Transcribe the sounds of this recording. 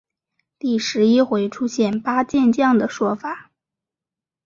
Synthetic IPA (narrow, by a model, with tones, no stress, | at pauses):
t̪i˥˩ʂɻ̩˧˥i˥xwe˧˥ɪʈ͡ʂʰu˥ɕjɛ˥˩npa˥t͡ɕjɛ˥˧nt͡ɕjɑ˥˩ŋd̪ə˩ʂwɔ˥fa˨˩˦